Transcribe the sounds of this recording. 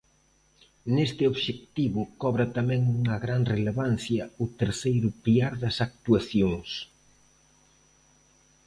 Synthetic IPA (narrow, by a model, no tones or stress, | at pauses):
nest̪ɪoβʃek̚t̪iβʊkɔβɾɐt̪amɛ̃ŋuŋɐɣɾaŋreleβan̟θjɐʊt̪eɾθejɾʊpilaɾðɐsak̚t̪uaθjoŋs